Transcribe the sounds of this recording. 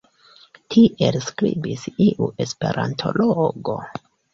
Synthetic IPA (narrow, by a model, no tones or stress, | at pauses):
tʰiʔe̞lskɾibisiʔuʔe̞spe̞ɾantʰo̞loɡo̞